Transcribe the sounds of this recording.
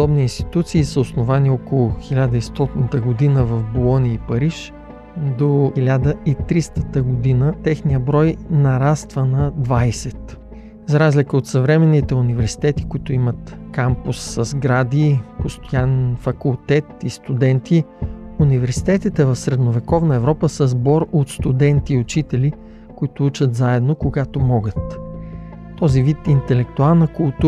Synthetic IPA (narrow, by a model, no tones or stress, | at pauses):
d̪ɔbniːnst̪i̥t̪ut̪siːsəosnovaniɔkolˠʊxilʲad̪əist̪ɔt̪inət̪əɡod̪inəvɐfbolˠɔnijəipɐɾiʃ | d̪oilʲad̪əit̪ɾist̪ət̪əɡod̪inət̪ɛxnijəbɾɔjnɐɾast̪vənɐd̪vajsɛt̪ | zɐɾazlikəot̪sɐvɾɛmɛnːit̪ɛʊnivɛɾsi̥t̪ɛt̪i̥kʊit̪ʊimət̪kampʊsːɐzɡɾad̪ipost̪ojanɛnfɐkulˠt̪ɛt̪ist̪ud̪ɛnt̪iunivɛɾsi̥t̪ɛt̪it̪ɛvɐfsɾɛd̪novɛkɔvnəɛvɾɔpəsəzbɔɾot̪st̪ud̪ɛnt̪iʊt͡ʃit̪ɛli | kʊit̪ʊut͡ʃət̪zaɛd̪nokoɡat̪omɔɡət̪ː | ɔzivit̪int̪ɛlɛkt̪ualˠnəkʊlˠt̪u